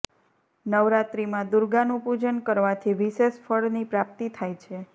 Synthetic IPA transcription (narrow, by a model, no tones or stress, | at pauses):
nəʋɾat̪ɾimãd̪uɾɡanũpud͡ʒənkəɾʋat̪ʰiʋiʃesfʰəɭnipɾap̚t̪it̪ʰajt͡ʃʰe